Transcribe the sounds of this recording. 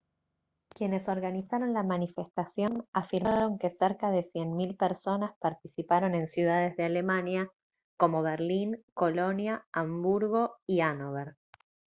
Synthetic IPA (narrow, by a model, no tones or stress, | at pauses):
kje̞ne̞so̞ɾɣanisaɾo̞nlamanife̞st̪asjo̞nafiɾmaɾo̞ŋke̞seɾkaðe̞sjenmilpeɾso̞naspaɾt̪isipaɾo̞nẽ̞nsjuðaðe̞zðeale̞manja | ko̞mo̞βeɾliŋko̞lo̞njaambuɾɣo̞ianoβeɾ